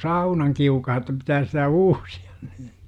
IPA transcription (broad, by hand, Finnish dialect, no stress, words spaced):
sɑunɑŋkiukɑhɑ ĕtːæ pitæːs sitæ uːsi̥ɑ̥n̥ n̥i̥ː